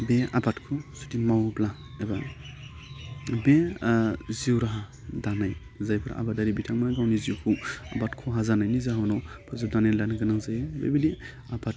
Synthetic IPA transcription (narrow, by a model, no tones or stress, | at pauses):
bea̰batkʰusutimawbla | eba | be | ziwɾaɦa | danaj | zajbʰɯɾa̰badaɾibitʰaŋmaɡawniziwkʰua̰batkʰɔɦazanajnizaɦɔnɔpʰɔzap̚danajlanaɡɯnaŋzajebḛbidi | abat̚